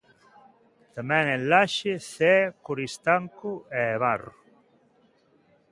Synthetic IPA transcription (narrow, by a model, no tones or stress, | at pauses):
t̪amɛ̃ŋɛnlaʃɪθɛkoɾist̪aŋkʊɛːβarʊ